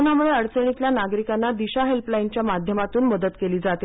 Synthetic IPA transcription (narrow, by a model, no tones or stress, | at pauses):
namuɭeəɽt͡səɳ̃it̪ljanaɡɾikanːad̪iɕaɦelplaint͡ɕjamad̪ʱjəmat̪uːnməd̪ət̪keliːd͡zat̪i